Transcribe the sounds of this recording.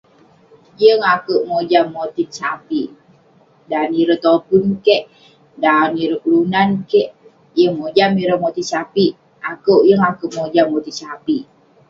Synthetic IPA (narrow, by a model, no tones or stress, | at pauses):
jəŋakəʔmod͡ʒamːot̪insapiʔ | daniɾət̪opunkeʔ | daniɾəkulunankɛʔ | jəŋmod͡ʒamiɾəmot̪insapiʔ | akəʔjəŋakəʔmod͡ʒamːot̪isapiʔ